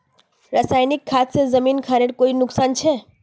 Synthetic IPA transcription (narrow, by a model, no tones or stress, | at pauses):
ɾasaːjnɪkʰːaːt̪sezɐmiːnkʰaːɾeʈkoːinʊksaːnt͡ʃʰɛː